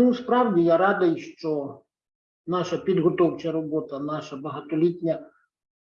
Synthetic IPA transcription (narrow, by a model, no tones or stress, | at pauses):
nuspɾawd͡zʲijaɾad̪ɐjʂt͡ʃɔ | naʃɐpʲid̪ɣɔt̪ɔwt͡ʃɐɾɔbɔt̪ɐnaʂɐbɐɦɐt̪ɔlʲit̪ʲnʲɐ